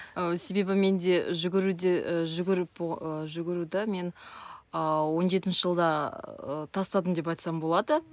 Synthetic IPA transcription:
əse̞be̞bɪme̞nd̪e̞ʒʏɡʲɪɾud̪ʒʏɡʲɪɾɪpəʒʏɡʲɪɾud̪ɪme̞nəwo̞nʒe̞t̪̬ɪnʃəʒəlˠd̪ɑət̪ʰɑst̪ɑd̪əmd̪e̞p̬ɑjt̪sɑmbo̞lˠɑd̪ə

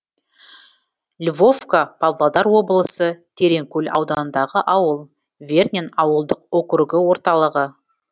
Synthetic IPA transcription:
lʲvo̞vkapʰavlˠad̪ɑɾwo̞bəlˠəsət̪ʰe̞ɾe̞ŋkʲɵlʲɑ̰wd̪ɑnənd̪ɑʁəʔɑwəlˠ | vʲe̞rnʲenɑwəlˠd̪əqokɾuɡɪwo̞ɾt̪ɑlˠəʁə

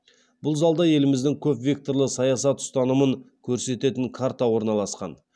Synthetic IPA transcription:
b̥ʊlˠzɑlˠd̪ɑje̞lɪmɪzd̪ɪŋkʲʰɵpvʲe̞k̚t̪o̞ɾlˠəsɑjɑsɑt̪ʊ̥st̪ɑnəməŋkʲʰɵɾse̞t̪e̞t̪ɪŋkʰaɾt̪ɑwo̞ɾnɑlˠɑsqɑ̰n

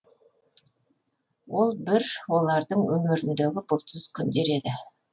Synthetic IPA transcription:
wo̞lˠbɪɾwo̞lˠɑɾd̪əɴwʔɵmɪɾɪnd̪eɡʲɪbʊlˠt̪ɪzkʲʰʏnd̪e̞ɾe̞d̪ɪ

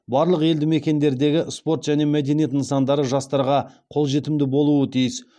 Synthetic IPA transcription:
bɑɾlˠəqe̞ld̪ɪme̞kʲe̞nd̪e̞ɾd̪e̞ɡʲɪspo̞ɾt̪ʒ̥æne̞mæd̪e̞nijet̪nsɑnd̪ɑɾəʒɑst̪ɑɾʁɑqʰo̞lˠʒe̞t̪ɪmd̪ɪbo̞lˠuət̪ʰijɪs

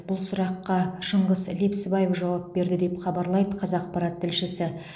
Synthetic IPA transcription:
bʊlˠsʊɾɑqːɑʃəɴʁəzlepsbɑjefʒɑwɑp̚be̞ɾd̪ɪd̪e̞pχɑbɑɾlˠɑjd̪əqʰɑzɑqpɑɾɑt̪ʰːɪlʃɪsɪ

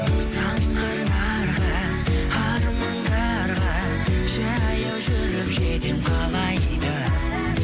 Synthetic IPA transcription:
sɑŋqəɾnɑ | ɾʁɑ | ɑɾmɑnd̪ɑ | ɾʁɑ | ʒɑjɑwʒʏɾɪpʒed̪ɪnqʰɑlˠɑjd̪ə

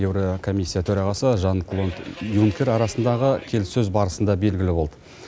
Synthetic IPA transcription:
ewɾokʰo̞mʲisʲːijat̪ʰɵɾɑʁɑsəʒɑnjuŋkʲe̞ɾɑɾɑsənd̪ɑʁəkʲʰe̞lsɵzbɑɾəsənd̪ɑbe̞lɡʲɪlɪbo̞lˠd̪ə̥

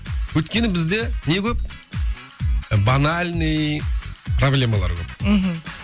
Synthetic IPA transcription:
wɵjt̪̚kʲe̞nɪbɪzd̪e̞ne̞kʲʰɵp̚ | banalʲnɨj | problʲe̞malˠɑ̰ɾkʰʲɵp̩ɦ

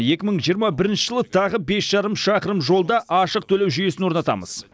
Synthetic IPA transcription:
je̞kʲɪməɴʒijəɾmɑbɪɾɪnʃəɪʒəlˠət̪ʰɑʁəbe̞sʒ̥ɑɾəmʃɑqəɾəmʒo̞lˠd̪ɑʔɑʃəq̚t̪ʰɵlewʒʏje̞sɪnwo̞ɾnɑt̪ɑ̰mə̰z̥

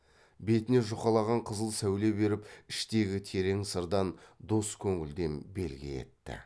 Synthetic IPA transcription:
be̞t̪ɪne̞ʒoqɑlˠɑʁɑɴqʰəzəlˠsæwle̞be̞ɾɪpɪʃt̪e̞ɡʲɪt̪ʰe̞ɾe̞ŋsəɾd̪ɑnd̪oskʲʰɵŋɪld̪e̞nbe̞̰lɡʲɪ̰e̞̰t̪ːɪ̰

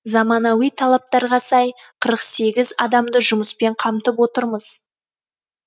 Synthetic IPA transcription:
zɑmɑnɑwijt̪ʰɑlˠɑp̚t̪ɑɾʁɑsɑj | qʰəɾəqse̞ɡʲɪzɑd̪ɑmd̪əʒʊməspe̞ɴqʰɑmt̪əp̬wo̞t̪əɾməz̥

